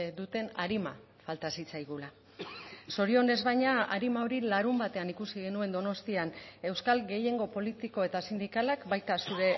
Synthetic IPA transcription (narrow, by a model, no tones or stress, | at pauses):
d̪ut̪e̞na̰ɾima̰ | falt̪asit͡sajɣ̞ula | so̞ɾio̞ne̞zβajɲaa̰ɾimao̞ɾilaɾumbat̪e̞anikusiɣ̞e̞nue̞nd̪o̞no̞st̪iane̞wskalɣe̞je̞ŋɡo̞po̞lit̪iko̞e̞t̪asind̪ikalakbajt̪asuɾe̞